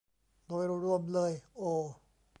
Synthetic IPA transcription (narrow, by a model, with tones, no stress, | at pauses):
d̪oː˧˩jɾu˧ɾu˧əmlɤː˧jʔoː˧˩